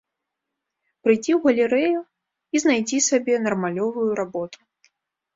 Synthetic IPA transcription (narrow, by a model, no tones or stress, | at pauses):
pɾɨjd͡zʲiwɣɐlʲiɾɛju | iznajd͡zʲisabʲɛnɐrmalʲɔvujuɾabɔt̪u̥